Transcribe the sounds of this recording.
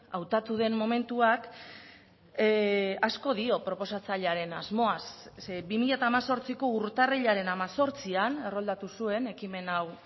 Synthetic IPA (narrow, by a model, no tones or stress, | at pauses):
awt̪at̪uðe̞mːo̞me̞nt̪uak | asko̞ðio̞pɾo̞po̞sat͡saʎaɾe̞nazmo̞as | bimiʎat̪aːmaso̞ɾt͡siko̞uɾt̪areʎaɾe̞namaso̞ɾt͡siane̞ro̞ld̪at̪usue̞ne̞kime̞naw